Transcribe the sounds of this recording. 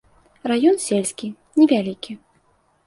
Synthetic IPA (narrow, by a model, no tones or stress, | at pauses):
rajɔnsʲelʲsʲkʲi | nʲɛvʲalʲikʲi